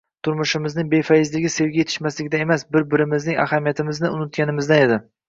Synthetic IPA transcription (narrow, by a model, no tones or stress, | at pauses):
t̪ʰʊɾmʊʃɪmɪznɪŋbe̞fajɪzlɪɡʲɪse̞vɡʲajet̪ʰɪ̥ʃmaslɪɡʲɪd̪ae̞masbɪɾbɪɾɪmɪznɪŋa̰hamijat̪ʰɪmɪznɪʊnɪt̪̚ɡʲanɪmɪzd̪ane̞d̪ɪ